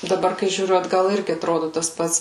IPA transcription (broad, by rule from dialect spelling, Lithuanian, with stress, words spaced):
dɐˈbɐr kɐɪ ʒʲuːˈrʲʊ ɐdˈɡɐlˠ ˈɪrʲɡʲɪ ɐtˈroːdʊ tɐs ˈpɐts